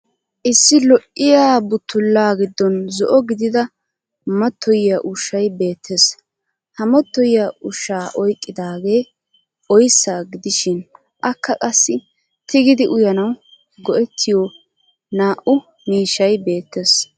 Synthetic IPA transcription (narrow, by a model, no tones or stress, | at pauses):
ʔɪsːɪlɔʔːɪjaːbʊt̪ːʊlːaːɡɪd̪ːɔnzɔʔɔɡɪd̪ɪd̪ɐ | mɐt̪ʰːɔjɪjɐʔʊʃɐjbe̞ːt̪ʰːes | hɐmɔt̪ːɔjɪjaʔʊʃːaːʔɔjkʼːɪd̪aːɡe̞ː | ʔɔjsːaːɡɪd̪ɪʃɪn | ʔɐkːɐkʼɐsːɪ | t̪ʰɪɡɪd̪ɪʔʊjɐnɐw | ɡɔʔɛt̪ʰːɪjɔ | naːʔʊ | miːʃɐjbe̞ːt̪ːes